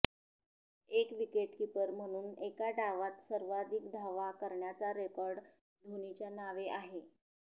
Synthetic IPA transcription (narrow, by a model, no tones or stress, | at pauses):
ekʋikeʈkipəɾm̤əɽ̃uːnekaɖaʋat̪səɾʋad̪ikd̪ʱaʋakəɾɳjat͡saɾekɔɾɖ | d̪ʱoñit͡ɕjanaʋeʔaɦe